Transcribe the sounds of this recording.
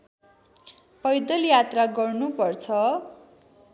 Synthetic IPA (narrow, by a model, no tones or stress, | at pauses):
pʌjd̪ʌljat̪raɡʌrnupʌrt͡sʰʌ